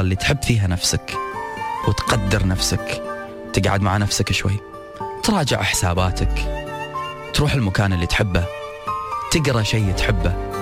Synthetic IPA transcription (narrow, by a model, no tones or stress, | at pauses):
lːit̪ħɪbːfiːɦanafsak | wɪt̪qɑd̪ːɪɾnafsak | t̪ɪɡʕa̰d̪maʕanafsakʃwa̰jː | t̪ɾˤɑːd͡ʒɪ̰ʕħɪ̥saːbaːt̪ak | t̪ɾuːħɪlmakaːnɪlːit̪ħɪbːa | t̪ɪɡɾˤɑʃeːt̪ħɪbːa